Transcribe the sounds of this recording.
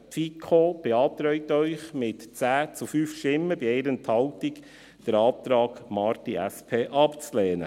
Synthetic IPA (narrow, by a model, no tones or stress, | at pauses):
fikʰob̥ɛɑːt̪ɾœʏt̪œʏχmɪtt͡sæːt͡sufyːfʃtɪmːəbiɛɪɾənt̪hɑltik | d̥əɾɑːt̪ɾɑːɡmɑːɾtiʔæspʰeːʔɑpt͡sleːnə̰